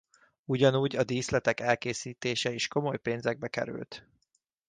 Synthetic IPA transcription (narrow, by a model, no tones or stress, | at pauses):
uɟɒnuːɟɒd̪iːslɛt̪ɛkɛlkeːsiːt̪eːʃɛiʃko̞mo̞jpeːnzɛɡ̚bɛkɛ̰ɾy̰lt̪